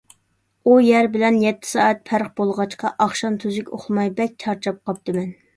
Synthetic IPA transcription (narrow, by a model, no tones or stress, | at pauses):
ujæɾbɪlɛnjɛt̪ʰːɪ̥sɑːɛt̪̚pʰæɾχb̥olˠʁɑt͡ʃqɑʔɑχʃɑnt̪ʰyzykʲo̰χlˠmɑjbɛk̚ʲt͡ʃ̪ʰɑɾt͡ʃʰɑp̚qɑp̚t̪ɨmɛn